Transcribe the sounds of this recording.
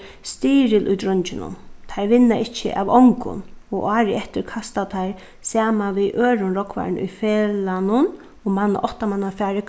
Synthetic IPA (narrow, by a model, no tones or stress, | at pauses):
st̪iːɾɪlʔʊ̰jd̪ɾʊɲt͡ʃɪnʊ̰nt̪ʰajɾʋɪnːaʔɪt͡ʃə̰ʔa̰ʋɔŋkʊ̰nɔɣʔaːɾɪɛht̪ɪɾkʰast̪at̪ʰajɾ | saːmanʋiʔøːɾʊnɾɔkʰʋa̰ɹnʊ̰jfɛːlanʊn | ɔmanːa̰ʔɔht̪amanːafaːɾɪk